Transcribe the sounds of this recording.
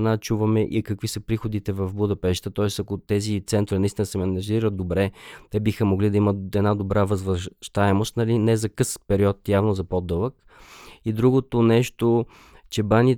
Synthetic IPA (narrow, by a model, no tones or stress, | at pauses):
nat͡ʃuvɐmɛʔikɐkvisəpɾixod̪it̪ɛvɐfbud̪ɐpɛʃt̪ət̪ɔɛsɐkot̪ɛzit̪sɛnt̪ɾinɐist̪insɛmɛnɐʒiɾəd̪obɾɛt̪ɛbixəmoɡlid̪ɐiməɛd̪nad̪obɾavəzvɾəʃt̪aɛmost̪nɐlinɛzɐkɤspɛɾiɔt̪javnozɐpod̪ɤlˠək | id̪ɾuɡot̪onɛʃt̪o | t͡ʃɛbanʲi